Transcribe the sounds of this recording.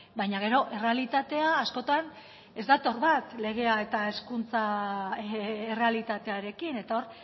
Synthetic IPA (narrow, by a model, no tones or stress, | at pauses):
bajɲaɣ̞e̞ɾo̞ʔe̞re̞alit̪at̪e̞aːsko̞t̪an | e̞zd̪at̪o̞ɾβat̪le̞ɣ̞e̞ae̞t̪ae̞skunt͡sa | ere̞alit̪at̪e̞aɾe̞kine̞t̪ao̞ɾ